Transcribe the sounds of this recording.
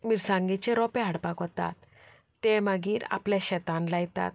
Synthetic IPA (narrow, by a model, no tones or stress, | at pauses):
miɾsãŋɡit͡ɕeɾɔpeɦaɽpakɦɔt̪a̰t̪ː | emaɡiːɾa̰pleɕɛt̪anlajt̪a̰t̪̚